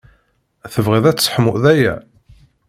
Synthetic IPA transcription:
æθəvʁiðæt͡sːsħəmʊʔðæjæ̰

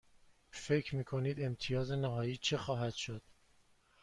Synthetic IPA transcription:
fe̞cʰɾmiːkʰo̞niːd̪e̞mt̪ʰijɒːze̞næɦɒːjiːt͡ʃʰe̞xɒːɦæd̪̥ʃod̪̥̚

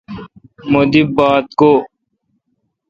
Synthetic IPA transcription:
mod̪ibaːt̪̚koː

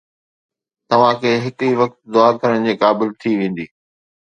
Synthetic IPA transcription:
t̪ɐʋ̤ãkʰeːɦɪt̪iʋɐk̚t̪d̪ʊaːɾk̪ʰɐɾəɽ̃d͡ʑeːkaːbɪlt̪ʰiʋẽːn̆d̪iː

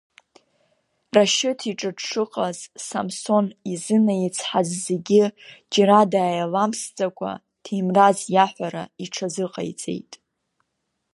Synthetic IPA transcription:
raʃɪtʰiʈ͡ʂʼɨdʂɨqʼazsamso̞nizɨnajit͡sʰħazze̞ɡʲɪd͡ʒaɾadaːjalamsd͡zʼakʷʰa̰ | tʰimrazjaħʷaɾa̰iʈ͡ʂʰazɨqʼa̰jt͡sʼe̞̰jtʼ

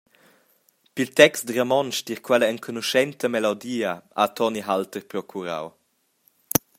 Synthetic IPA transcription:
pilt̪ɛkstd̪rəmɔnʃdiɾkʰwɛləəŋkʰonuʃɛnt̪əmɛlɔd̪iːəat̪ʰɔniɦalt̪ərpɾɔkʰuɾa̰w

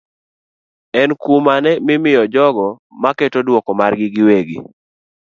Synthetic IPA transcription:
ɛnkumanɛmɪmɪjɔd͡ʒɔɡɔ | maketodwɔkɔmarɡɪɡɪweɡɪ

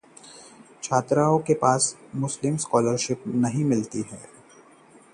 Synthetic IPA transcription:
t͡ʃʰaːt̪ɾaːõkepaːsmʊslɪmskɔːləɾʃɪpnɐɦĩmɪlt̪iɦɛ̰ː

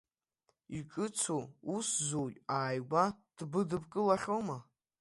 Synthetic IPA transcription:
ikʼɨt͡sʰouszojʲʼaːjɡʷad̥bɨdɨpkʼɨlaχʲoma

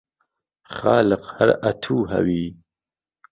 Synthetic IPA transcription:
χɑːləqhaɾat̪ʰuːɦa̰wi

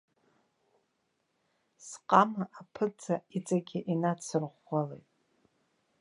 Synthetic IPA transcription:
sqʼamaʔapʰɨt͡sait͡sʼaɡʲɪʔinat͡sʰɨrʁʷalḛjtʼ

